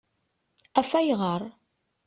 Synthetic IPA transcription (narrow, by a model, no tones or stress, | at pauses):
æfæjʁəɾˤ